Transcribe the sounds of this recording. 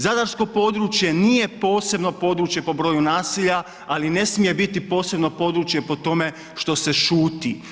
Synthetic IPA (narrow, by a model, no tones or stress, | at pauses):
zad̪aɾsko̞po̞d̪ɾut͡ʃje̞niːje̞po̞ːse̞bno̞po̞d̪ɾuːt͡ʃje̞po̞bɾo̞ːjunaːsiʎa | aline̞smije̞bit̪ipo̞ːse̞bno̞po̞d̪ɾut͡ʃje̞po̞t̪o̞me̞ | ʃt̪o̞se̞ʃuːt̪i